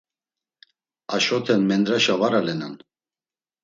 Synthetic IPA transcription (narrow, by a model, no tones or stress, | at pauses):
aʃɔt̪ʰɛnmɛnd̪ɾaʃavaɾalɛnan